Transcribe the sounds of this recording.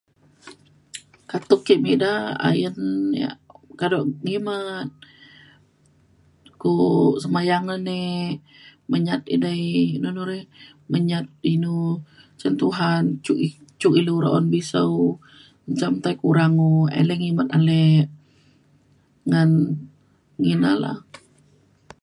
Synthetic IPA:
kat̪ukːiʔmidaa̰jənja̰kadoʔŋimat̪̚ | kusəmajaŋane | məɲat̪̚ḭdainunuɾɛh | məɲat̪̚inu | t͡ʃənt̪uɦant͡ʃuʔit͡ʃuʔiluɾa̰ʔɔnbisəw | ɲt͡ʃamt̪ajkuɾaŋuḛlɛŋimat̪̚alɛʔ | ŋan | ŋina̰la̰h

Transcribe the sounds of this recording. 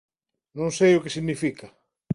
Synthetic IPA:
nõŋsejʊkesiɣnifika

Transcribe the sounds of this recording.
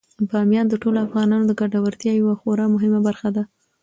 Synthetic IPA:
bɑmjɑnd̪əʈoloafɣɑnɑnod̪əɡaɖawəɾt̪jɑjawaxoɾɑmʊɦɪmabaɾxad̪a

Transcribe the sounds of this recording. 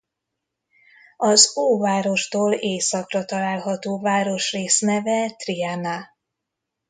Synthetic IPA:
ɒzoːvaːɾo̞ʃt̪oːleːsɒkrɒt̪ɒlaːlɦɒt̪oːvaːɾo̞ʃreːsnɛvɛt̪riana

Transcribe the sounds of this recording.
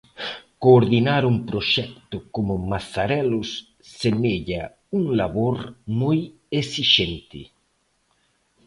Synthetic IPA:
koːɾðinaɾumpɾoʃɛkt̪ʊkomʊmasaɾɛlʊsː | eneʎa | uŋlaβoɾmoj | esiʃent̪ɪ̰

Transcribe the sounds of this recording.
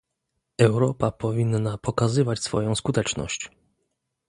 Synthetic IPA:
ɛwɾɔpapɔvʲinːapɔkazɘvat͡ɕsfɔ̰jɔ̃w̃skut̪ɛt͡ʂnɔ̰ɕt͡ɕ

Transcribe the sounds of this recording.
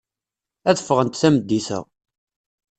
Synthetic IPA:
æðə̥fːəʁənt̪θæməd̪ːiθə̰

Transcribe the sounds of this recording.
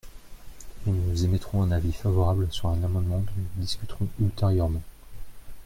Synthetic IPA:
ilnuzemɛt̪χɔ̃ɛ̃navifavɔʁablsyʁɛ̃namɑ̃d̪mɑ̃d̪ɔ̃nud̪iskʲyt̪χɔ̃ylt̪eʁjœʁmɑ̃

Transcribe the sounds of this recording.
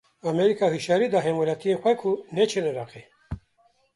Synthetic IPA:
ameɾikahiʃaɾid̪aɦemolat̪ʰiexʷwajkʰunet͡ʃʰeneɾaqe

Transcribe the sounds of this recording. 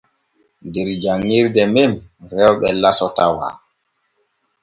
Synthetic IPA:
ndɛɾd͡ʒaŋːiɾdɛmemrɛwɓɛlasɔtawa̰

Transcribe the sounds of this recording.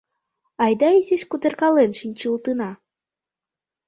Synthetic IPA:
ɑjd̪ɑiziʃkud̪ĕrkɑlenʃinʲt͡ɕɯlˠt̪ɯnɑ

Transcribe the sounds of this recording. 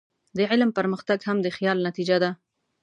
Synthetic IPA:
d̪əʕɪlmpəɾməxt̪aɡhamd̪əxjɑlnat̪id͡ʒad̪a

